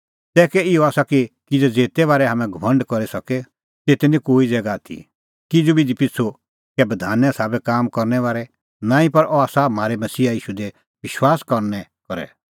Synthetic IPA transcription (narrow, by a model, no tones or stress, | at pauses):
t̪ɛːkɛɪɔaːsakikɪd͡zɛd͡zeːt̪ɛʋaːɾɛɦɐmɛ̃ɡʱɐʋɐ̃ɳɖkɔɾisɐkɛ | t̪eːt̪ɛnĩkoːid͡zɛːɡat̪ʰḭ | kɪd͡zubʱid̪ipɪt͡sʰo | kɛbɐd̪ʱaːnɛ̃saːbɛkaːmkɔɾnɛʋaːɾɛ | nãːĩpɐɾɔaːsam̤aːɾɛmɐsiːaiːʃud̪ɛ | ʋɪʃwaːskɔɾnɛkɔɾɛ̰